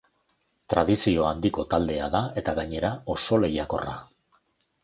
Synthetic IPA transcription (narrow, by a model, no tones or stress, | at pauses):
t̪ɾaðisio̞and̪iko̞t̪ald̪e̞aðae̞t̪aɣaɲe̞ɾao̞so̞le̞jako̞̰ra̰